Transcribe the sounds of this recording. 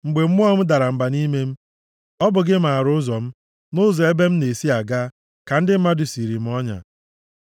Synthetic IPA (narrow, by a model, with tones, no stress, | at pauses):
ŋ͡m̩˨ɡ͡be˨m̩˦ʊ˦ɔ˦m̩˦da˨ɾa˨m̩˨ba˨ni˦me˦m̩˦ | ɔ˦bʊ˨ɡɪ˦m̩˨a˨ɾʊ˦ʊ˦zɔ˨m̩˦ | nʊ˦zɔ˨e˦be˦m̩˦ne˨si˦a˨ɡa˦ | ka˨n̩˦dɪ˦m̩˦ma˦dʊ˨si˨ɾi˨m̩˦ɔ˦ɲa̰˨